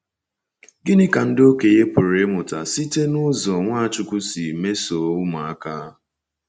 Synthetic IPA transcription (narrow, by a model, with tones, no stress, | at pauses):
ɡɪ˦nɪ˦ka˨n̩˦do˦ke˨je˦pʊ˨ɾe˦mʊ˨ta̰˨si˦te˦nʊ˦zɔ˨ŋʷaː˦a˨t͡ʃʊ˦kʷʊ˦si˨me˦so˨˦ʊ˦ma˨a˦ka˦